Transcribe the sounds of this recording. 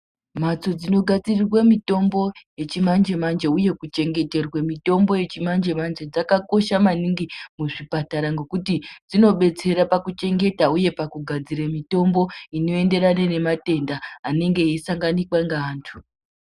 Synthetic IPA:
mat͡so̞d͡zino̞ɡʱad͡zirirwemito̞mbo̞je̞t͡ʃimand͡ʒe̞mand͡ʒeuje̞kut͡ʃe̞ŋɡe̞te̞rwemito̞mbo̞je̞t͡ʃimand͡ʒe̞mand͡ʒe̞d͡zakako̞ʃamaniŋɡimuʐipataɾaŋɡe̞kutid͡zino̞ɓe̞t͡se̞ɾapakut͡ʃe̞ŋɡe̞tauje̞pakuɡʱad͡ziɾamito̞mbo̞ino̞e̞nde̞ɾanene̞mate̞ndaːne̞ŋɡe̞isaŋɡanikwaŋɡaːntʰu̥

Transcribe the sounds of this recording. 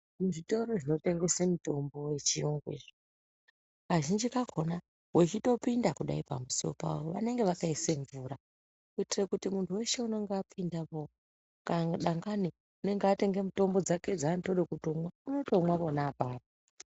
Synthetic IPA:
muʐito̞ɾo̞ʐino̞te̞ŋɡe̞semuto̞mbo̞we̞t͡ʃioŋɡwḛʐi | ʋaʒind͡ʒikakʰona | wet͡ʃito̞pindakuɗa̰ipa̰muso̰pa̰woʋa̰ne̞ŋɡeʋakaiseɱvuːɾa | kuitirekutimuntʰuwe̞ʃe̞uno̞ŋɡeapʰindapo | kaɗaŋɡani | une̞ŋɡeate̞ŋɡe̞muto̞mbo̞d͡zake̞d͡zaːnitoɗokutomwauno̞to̞mwaʋo̞nabʱaːβa

